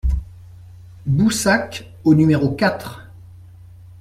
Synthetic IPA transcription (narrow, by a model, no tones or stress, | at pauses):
busak | onymeʁokʲat̪χ